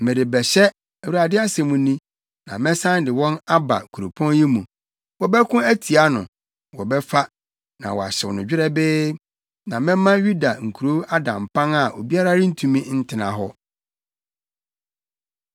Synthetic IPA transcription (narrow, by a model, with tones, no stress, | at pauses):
mɛ̃˨dɪ˨bɛ˨ɕɛ˦ | ɛ˨wu˨ɾa˨dɪ˦a˦sɛ̃˨mũ˨nĩ˦ | nã̰˨mɛ̃˦sã˦ndɪ˨wɔ̃˦na˦ba̰˨kʰu˨ɾo˨pʰɔ̃˦njɪ˦mũ˨ | wɔ˨bɛ˦kʰʊ̃˦æ˦tʰi˨a˦nʊ̰̃˨ | wɔ˨bɛ˦fa˦ | nã˨wɔ˨a̰˨ɕɛ˨wnʊ̃˨d͡ʑᶣɪ˦ɾɛ˦bɪ˦ | nã˨mɛ̃˦mã˦ɥu˦da˨ŋ̩˨kʰu˨ɾo˦a˦dã˨mpʰã˦na˨o˨bi˦a˦ɾa˦ɾɪ˦n̩˦tʰũ˦mĩ˦n̩˦tʰɪ˨nã̰˨ɦɔ˦